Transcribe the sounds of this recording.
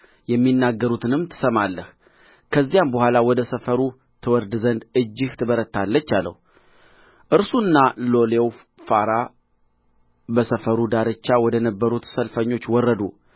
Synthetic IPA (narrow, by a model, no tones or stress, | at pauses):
jɛmːinːaɡːəɾut̪ʰɨnɨmt̪ʰɨ̥səmalːəh | kʰəzːijambəɦʷalawɔd̪əsəfəɾu | t̪ʰɨwɔɾd̪zənd̪ɨd͡ʒːɪht̪ʰɨbəɾət̪ːalːət͡ʃːalːə̰hu | ʔɨɾsuɨnːalo̞lew | faɾa | bəsəfəɾud̪aɾɨt͡ʃːawɔd̪ənəbːəɾut̪səlfəɲːo̞t͡ʃːwɔrːəd̪u